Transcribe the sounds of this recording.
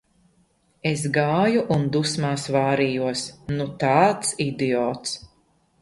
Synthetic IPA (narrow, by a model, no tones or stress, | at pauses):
es̬ɡaːjuʔund̪usmaːsvaːɾijuɔsnut̪aːt̪sid̪iɔːt̪s